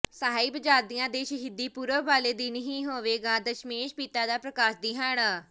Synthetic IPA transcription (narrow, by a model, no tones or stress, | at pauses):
səɦaːiːbəd͡ʒaːd̪ijãːd̪eːʃəɦiːd̪iːpuːɾəɦʋaːleːd̪iːnəɦĩːɦoːʋeːɡaːd̪əʃmeːʃpiːt̪aːd̪aːpɾəkaːʃd̪iːɦaːnaː